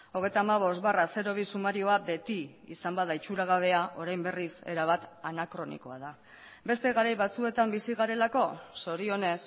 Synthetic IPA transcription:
o̞ɣ̞e̞jt̪aːmaβ̞o̞st̪barase̞ɾo̞β̞isumaɾio̞abe̞t̪i | ḭsambaðait͡ʃuɾaɣ̞aβ̞e̞aʔo̞ɾajmbe̞rise̞̰ɾaβ̞at̪anakɾo̞nḭko̞aða | be̞st̪e̞ɣaɾajβat͡sue̞t̪ambisiɣaɾe̞lako̞so̞ɾio̞ne̞s

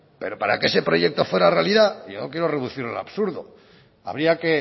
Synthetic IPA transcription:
pe̞ɾo̞paɾa̰kee̞se̞pɾo̞ʝe̞k̚t̪o̞fwe̞ɾarealiðajonokjeɾo̞reðuθiɾa̰la̰βsuɾðo̰ | a̰βɾiake̞

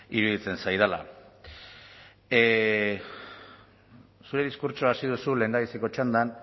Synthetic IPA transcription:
iɾuðit͡se̞nsajðala̰ | suɾe̞ðiskuɾt͡ʃoasiðusule̞nd̪aβiseko̞t͡ʃand̪an

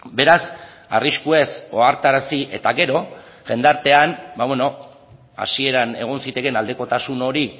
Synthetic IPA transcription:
be̞ɾas | a̰riskue̞so̞aɾt̪aɾasiʔe̞t̪aɣe̞ɾo̞ | ʝe̞nd̪aɾt̪e̞anbaβwe̞no̞ | a̰sie̞ɾane̞̰ɣ̞o̞nsit̪e̞ke̞nald̪e̞ko̞t̪asuno̞ɾi

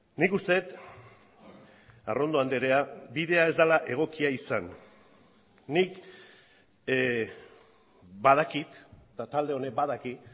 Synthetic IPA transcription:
nikust̪e̞t̪ | a̰ro̞nd̪o̞and̪eɾeabiðe̞ae̞zd̪alaʔe̞ɣ̞o̞kiaisan | ik | bað̞akit̪t̪at̪ald̪e̞o̞ne̞baðaki

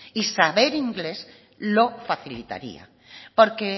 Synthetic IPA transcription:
isaβeɾiŋɡles | lofaθilit̪a̰ɾḭa̰ | poɾke

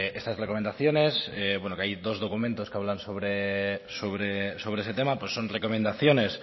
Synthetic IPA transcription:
e̞st̪asrekome̞nd̪aθjone̞sebwe̞nokeajd̪o̞zðo̞kumẽnt̪o̞skeaβlansoβɾesoβɾeso̞β̞ɾees̬e̞t̪emapwe̞sːo̞nreko̞mend̪aθjo̞ne̞s

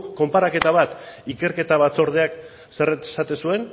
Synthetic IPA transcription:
o̞mpaɾake̞t̪aβ̞at̪ike̞ɾke̞t̪aβ̞at͡so̞ɾð̞eak | se̞re̥sat̪esue̞n

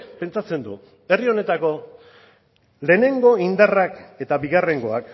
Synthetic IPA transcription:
pe̞nt͡sat͡se̞nd̪ṵ | e̞rio̞ne̞t̪ako̞ | le̞ːne̞ŋɡo̞ind̪arake̞t̪abiɣare̞ŋɡo̞a̰k

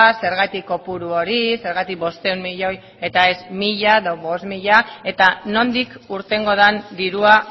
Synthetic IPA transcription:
se̞ɾɣat̪ikːo̞puɾuo̞ɾise̞ɾɣat̪ik̚bo̞st̪e̞unmiʎo̞j | e̞t̪ae̞zmiʎaeðoβo̞smiʎae̞t̪ano̞nd̪ikuɾt̪e̞ŋɡo̞ð̞and̪iɾua

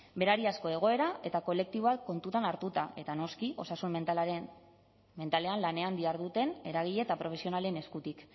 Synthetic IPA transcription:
be̞ɾaɾiasko̞e̞ɣ̞o̞e̞ɾae̞t̪ako̞le̞k̚t̪iβo̞βako̞nt̪ut̪anaɾt̪ut̪aʔe̞t̪ano̞skiʔo̞sasum | me̞nt̪ale̞anlane̞and̪iaɾðut̪e̞ne̞ɾaɣiʎe̞t̪apɾo̞fe̞sio̞nale̞ne̞skut̪ik

